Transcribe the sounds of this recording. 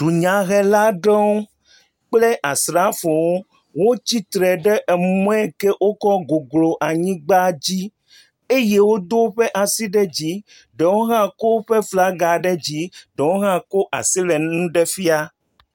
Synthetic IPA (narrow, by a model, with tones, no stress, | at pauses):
ɖ̥u˨ɲã˨ɣɛ˨la˦ɖɔ̃˦w | k͡ple˦ʔa˨sɾa˦fo˨wo˦ | wo˦t͡ɕi˦t̪ɾɛ˨ɖɛ˦ʔɛ˨mɔ̃˦ɛ˦ke˦ʔwo˦kɔ˦ɡo˨ɡlo˨ʔa˨ɲĩ˦ɡ͡ba˦d͡ʑi˦ | e˦je˦wo˦d̪o˦ɸe˦ʔa˨si˦ɖɛ˦d͡ʑi˦ | ɖe˨wo˦ɦã˦ko˦ɸe˦fla˦ɡa˨ɖɛ˦d͡ʑi˦ɖe˨wo˦ɦã˦ko˦ʔa̰˨si˦lɛ˨nũ˦ɖɛ˦fi˦a˦